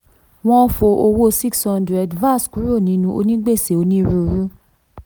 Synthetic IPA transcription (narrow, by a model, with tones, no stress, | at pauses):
w̃ɔ̃˦fo˧ʔo˧wo˦si˦kshɔ̃˧ndɾɛ˨dva˦˨sku˨˦ɾo˦˨nĩ˨˦nũ˧ʔo̰˧nĩ˦ɡ͡be˦˨se˨o˧nĩ˦ɾu˧ɾu˦